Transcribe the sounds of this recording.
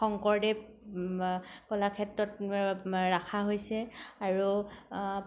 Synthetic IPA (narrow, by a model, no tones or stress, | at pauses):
ɔŋkɔɹdɛ | kɔlakʰɛtɹɔt | ɹakʰaɦojsɛaɹu